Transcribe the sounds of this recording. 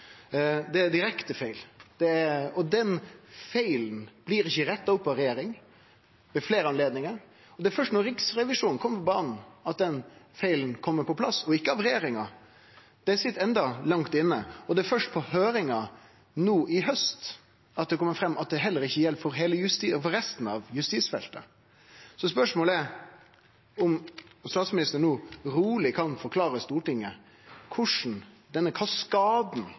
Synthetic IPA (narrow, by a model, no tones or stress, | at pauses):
d̪ɛæd̪ɪɾɛkt̪əfæɪld̪̥ɛæɔd̪ɛnfæɪln̩b̥liːɾɪçːəɾɛt̪ːɑʊpːɑʋɾɛjeːɾɪŋ | ʋɛfleːɾəɑnleːd̪nɪŋəɾ | ɔd̪ɛæɾfœʂtnɔɾɪksɾɛʋɪʂuːnnkɔmːəfɔbɑːnn̩ɑt̪̚d̪ɛnfæɪln̩kʰɔmːəɾpɔpʰlɑsːɔɪkːəɑʋɾɛjeːɾɪŋɑ | d̪̥ɛæsɪt̪ːɛnd̪ɑlɑŋt̪ɪnːəɔd̪ɛæɾfœʂʈ̚pʰɔhøːɾɪŋɑ | nuːʔɪɦœst̪ | ɑt̪̚d̪ɛkʰɔmːəɾfɾɛmːɑt̪̚d̪ɛɦɛlːəɾɪçːəjɛlpfɔɾɦeːləjʉst̪ːfɔɾɛst̪n̩ɑʋjʉst̪iːsfɛ̰lt̪ə̰ | sɔspœʂmoːləæɾ | ɔmst̪ɑːt̪smɪnɪst̪əɾnuːɾuːlɪkʰɑnfɔɾkʰlɑːɾəst̪uːʈɪŋːə | kʰʊʂn̩ | d̪ɛnːəkʰɑskɑːd̪n̩